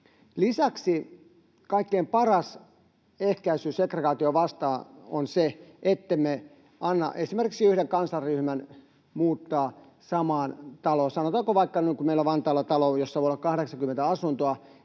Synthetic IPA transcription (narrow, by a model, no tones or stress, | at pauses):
lisæksi | kɑikːeimpɑrɑs | ehkæisyːsekreɡɑːt̪ioʋɑst̪ɑːo̰nseʔet̪ːemme | ɑnːɑ̰ʔesimerki̥ksiyhɾeŋkɑnsɑrryhmæn | muːt̪ːɑː | sɑmɑːnt̪ɑloːsɑnot̪ɑːkoʋɑikːɑnykummeilːoʋɑnt̪ɑːlːɑt̪ɑlojosːɑʋoiolːɑkɑhɾeksɑŋkymːent̪æɑsunt̪oɑ